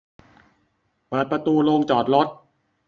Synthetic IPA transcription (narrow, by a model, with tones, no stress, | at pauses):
pɤː˨˩t̪̚pɾa˧t̪uː˧loː˧ŋt͡ɕɔː˨˩t̪̚lo˦˥t̪̚